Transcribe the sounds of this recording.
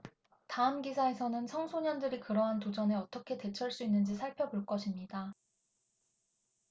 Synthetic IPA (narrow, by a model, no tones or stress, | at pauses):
taɯmɡisʰae̞sʰʌnɯnsʰʌŋsʰoɲʌndɯɾikɯɾʌɦantod͡ʑʌne̞ʌt͈ʌkʰe̞te̞t͡ɕʰʌɭs͈uinːɯnd͡ʑisʰaɭpʰjʌboɭk͈ʌɕʰimɲida